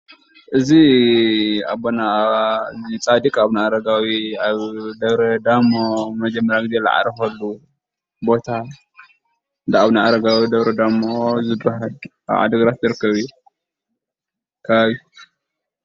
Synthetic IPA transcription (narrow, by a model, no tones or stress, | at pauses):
ʔɨzi | a̰bona | zit͡sʼad̪ikʼaβnaaɾɐɡawiaβd̪ɐβɾɐd̪amomɐd͡ʒɐmːɐɾjaɡɨzela̰ʕa̰ɾɐfɐlːu | bo̞t̪ʰa | nd̪aaβnaʔaɾɐɡawid̪ɐβɾɐd̪amozɨd̪ɾaɦa | a̰βʕa̰d̪ɐɡɾat̪zɨɾɨkʰːɐβijːu | kʰɐβaβi